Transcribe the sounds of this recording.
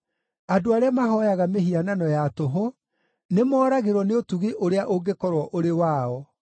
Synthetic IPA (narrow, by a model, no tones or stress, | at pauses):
adoaɾeamaɦɔjaɣameɦiananɔjatoɦo | nemɔːɾaɣeɾwɔneotuɣiʔoɾeaʔoɡekɔɾwɔʔoɾewaɔ